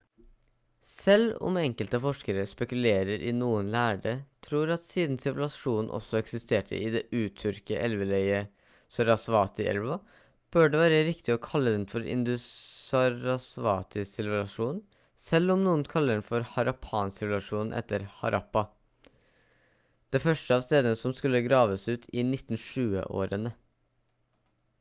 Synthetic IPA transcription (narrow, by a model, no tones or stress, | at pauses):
sɛlɔ̰mɛŋkəlt̪əfɔʂkəɾəspɛkʉleːɾəɾʔɪ̰nuːənlæːɖət̪ʰɾuːɾɑt̪siːd̪nsɪʋlɑʂuːnn̩ʔɔ̰sːɔɛksɪst̪ʰeːʈʰə̰ʔɪd̪ɛʔʉːt̪ʰʏɾkəʔɛlʋəlœʏə | sɔɾɑsʋɑːt̪ɪʔɛ̰lʋɑ | b̥øːɖɛʋæːɾəɾɪkt̪ɪɔkʰɑlːəd̪ɛnfɔɾɪ̰nd̪ʉɑɾɑsʋɑːt̪ʰɪsɪlʋəlɑʂuːn | sɛlːɔmnuːənkʰɑlːəɖɛnfɔɾhɑɾɑpʰɑːnsɪʋlɑʂuːnn̩ʔɛ̰t̪ːəɾhɑ̰ɾʔɑpːɑ | d̪̥ɛfœʂʈəɑːʋst̪eːd̪ənəsɔmskʉlːəɡɾɑːʋəsʉːt̪ʰɪnɪt̪ːn̩ʂʉːə̰ʔo̰ːɾənə